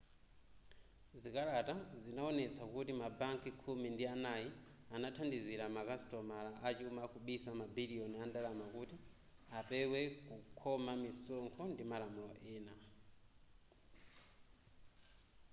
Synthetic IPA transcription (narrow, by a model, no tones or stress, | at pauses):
zikalatazinaɔnɛt͡sʰakutimabaŋkikʰumindianaji | anatʰandiziɾamakastɔmalaʔat͡ʃiumakʰuɓisamabiliɔniandalamakuːti | apɛwɛkukʰɔmamisɔŋkʰɔndimalamulɔʔɛːna